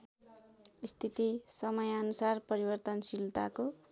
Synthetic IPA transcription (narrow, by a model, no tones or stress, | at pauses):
ist̪ʰit̪isʌmʌjʌnusarpʌɾibʌrt̪ʌnsilt̪ako